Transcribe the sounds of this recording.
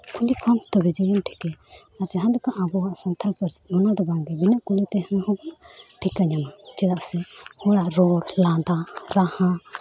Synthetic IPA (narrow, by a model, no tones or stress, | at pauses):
kʰulikʰɔmt̪ɔbid͡ʒajɛmʈʰi̥kɛ | aɾd͡ʒaɦãdɛkaʔabɔwaʔsant̪ʰalpəɾsmɔnad̪ɔbaŋɡɛbinaʔkulit̪ɛhnɔhɔbɔʈʰikaɲamat͡ʃɛd̪aʔsɛhɔɽaʔɾɔɽlad̪aɾahã